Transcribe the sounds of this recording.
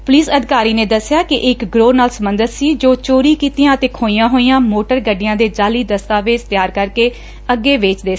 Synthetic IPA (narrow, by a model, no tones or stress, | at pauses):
pʊliːsəd̪ɪkaːɾiːnẽːd̪əsːɪjaːkɪʔɪkɡɾoːnaːlsəmbənd̪ət̪siːd͡ʒoːt͡ʃoːɾiːkiːt̪ijãːət̪eːkʰoːijãːɦoːijãːmoːʈəɾɡəɖɪjãːd̪eːd͡ʒaːliːd̪əst̪aːʋeːd͡ʒt̪ɪjaːɾkəɾkeː | əɡːeːʋɪːt͡ʃd̪eː